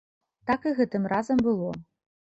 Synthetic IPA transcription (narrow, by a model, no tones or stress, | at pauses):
t̪akɨɣɛt̪ɨmrʔazɐmbɨlˠɔ